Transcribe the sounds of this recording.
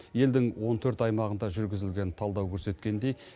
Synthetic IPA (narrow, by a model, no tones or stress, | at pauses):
je̞ld̪ɪŋwo̞nt̪ʰɵɾt̪ɑjmɑʁənd̪ɑʒʏɾɡʲɪzɪlɡʲe̞nt̪ʰɑlˠd̪ɑwkʲʰɵɾse̞t̪kʲe̞nd̪e̞j